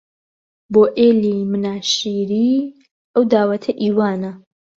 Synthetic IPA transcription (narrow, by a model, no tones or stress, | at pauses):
boːʔeːlimɨnaːʃiːɾiː | ʔɐwd̪aːwɐt̪ʰɐʔiːwaːnɐ